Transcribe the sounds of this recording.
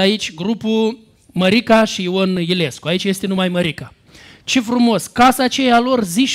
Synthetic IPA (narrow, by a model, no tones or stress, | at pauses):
ait͡ʃʲɡɾupu | məɾikaʃiiwonjile̞skoait͡ʃʲje̞st̪e̞numajməɾika | t͡ʃe̞fɾumo̞skasat͡ʃe̞jalo̞rziʃ